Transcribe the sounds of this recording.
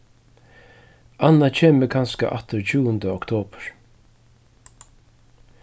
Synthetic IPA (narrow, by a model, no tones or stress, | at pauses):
ʔanːat͡ʃʰeːməkʰanska̰ʔa̰t̪ɪɾt͡ɕʰuːənd̪əɔkt̪ʰoːpɹ̥